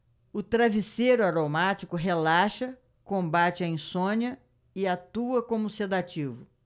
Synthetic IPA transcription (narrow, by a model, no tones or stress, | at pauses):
ʊt̪ɾavisejɾʊaɾomat͡ʃikʊɦelaʃɐ | kõbat͡ʃɪɐĩsõɲɐ | ɪat̪uɐkõmʊsed̪at͡ʃivʊ